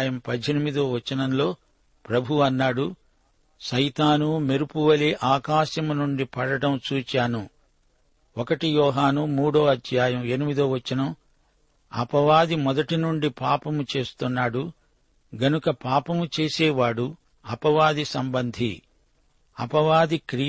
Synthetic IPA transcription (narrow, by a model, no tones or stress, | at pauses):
jɐmpɐd̪ʱːenimid̪oːʋɐt͡ʃːɐnɐmlo̞ː | pɾɐbʱuɐnːaːɽu | ʃɐjt̪aːnumeɾupuʋɐleʔaːkaːʃjɐmunuɳɖipɐɽɐɽɐmt͡ʃuːt͡ʃaːnu | ɔkɐʈijɔːɦaːnumuːɽo̞ːɐd̪ʱjaːjɐme̞nimid̪oːʋɐt͡ʃːɐnɐm | ɐ̰pɐʋaːd̪imɔd̪ɐʈinuɳɖipaːpɐmut͡ʃe̞ːst̪unːaːɽu | ɡɐnukɐpaːpɐmut͡ʃe̞ːsɛːʋaːɽu | ɐpɐʋaːd̪isɐmbɐnd̪ʱḭ | ɐ̰pɐʋaːd̪ikɾi